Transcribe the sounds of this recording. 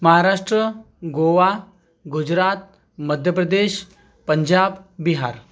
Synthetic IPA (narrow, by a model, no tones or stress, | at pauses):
məɦaɾaʂʈɾə | ɡoʋa | ɡud͡ʑɾat̪̚ | məd̪ʱjəpɾəd̪eɕ | pəɲd͡ʑabbiɦaɾ